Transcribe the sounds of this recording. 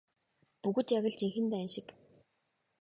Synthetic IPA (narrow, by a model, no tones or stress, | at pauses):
puɣɵ̆t̪jaɣʲə̆ɮt͡ɕiŋxɘ̆nt̪æːnʃɪ̆k